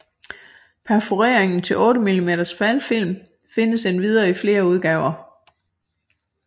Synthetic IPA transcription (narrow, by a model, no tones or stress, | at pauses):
pʰæfuʁeɐ̰eŋn̩t͡sʰe̝lʔɔ̽ːɾəmilime̝̰ːd̥ɐsfælfil̰m | fe̝nəsenʋið̞ˠɐːifle̝ːɐuð̞ˠɡ̥ɛːʊɐ